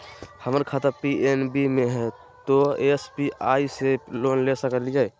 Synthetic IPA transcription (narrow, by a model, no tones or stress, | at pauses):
həməɾkʰaːt̪əɾpienbimeɦɛ | t̪oespiaːiseloːnlesəkəlid͡ʒae